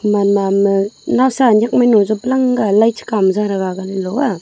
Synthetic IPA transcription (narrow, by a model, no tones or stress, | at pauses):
manamɯnawsaɲak̚majnɔzɔblaŋɡalajt͡ʃʰi̥kamzaɾaɡaɡanilɔwa